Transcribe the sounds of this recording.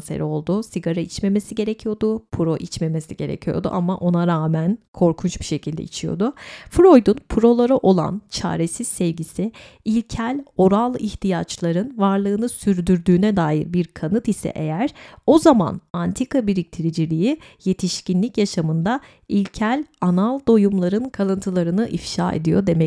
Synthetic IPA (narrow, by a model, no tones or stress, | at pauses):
sḛɾɛo̞lˠd̪ʊsiɡaɾait͡ʃme̞me̞siɟe̞ɾecʰijo̞d̪ʊpʰuɾo̞ʔit͡ʃme̞me̞siɟe̞ɾḛcʰijo̞̰d̪ṵʔamaʔo̞naɾaːmænkʰo̞ɾkʰunt͡ʃbiʃe̞cʰilʲd̪ɛ̰it͡ʃʰijo̞̰d̪ʊfɾo̞jd̪unpʰuɾo̞lˠaɾaʔo̞lˠa̰nt͡ʃʰa̰ːɾesiz̥sɛvɟisɪ | ilʲcʰælʲo̞ɾalˠiçt̪ʰijat͡ʃlˠaɾɯnvaɾlˠɯːnɯsyɾd̪yɾd̪yːnɛd̪aːjḭɾbiɾkʰanɯt̪isɛ̰ʔe̞jæɾ̥o̞zama̰nant̪ʰikabiɾic̚t̪ʰiɾid͡ʒilʲijije̞t̪ʰiʃcinlʲicjaʃamɯnd̪a | ilʲcʰælʲanalˠd̪o̞jumlˠaɾɯnkʰalˠɯnt̪ʰɯlˠaɾɯnɯʔifʃa̰ːe̞̰d̪ijo̞̰d̪e̞mɛ